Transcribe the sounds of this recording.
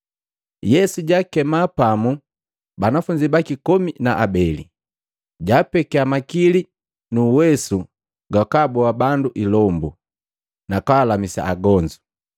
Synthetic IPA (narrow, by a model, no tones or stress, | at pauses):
jɛsuɟaːkɛmapamu | banafuɲd͡ʒibakikɔminaʔabɛlḭ | ɟaːpɛkɛamakili | nuwɛsu | ɡakaːbɔabanduʔilɔmbu | nakaːlamisa̰aɡɔɲd͡ʒu